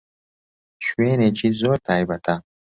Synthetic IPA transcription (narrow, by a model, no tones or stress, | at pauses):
ʃweːnet͡ʃɪzoːɾt̪ʰajbɐt̪ʰɐ